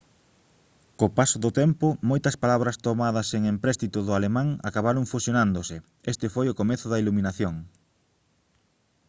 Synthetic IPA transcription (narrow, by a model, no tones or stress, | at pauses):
kopasʊðʊt̪ɛmpʊmojt̪ɐspalaβɾɐst̪omað̞ɐseŋempɾɛst̪it̪ʊðʊalemãŋa̰kaβ̞aɾʊŋfusjonand̪osɪ | est̪ɪfojʊkomeθʊðɐiluminaθjoŋ